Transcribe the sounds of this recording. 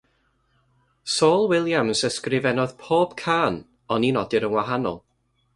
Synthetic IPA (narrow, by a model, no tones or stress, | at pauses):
soːlˠwɪlˠjamsəskrɪvɛnɔð̥pʰoːb̥kʰaːn | ɔninɔdɪɾənwaɦanɔ̰lˠ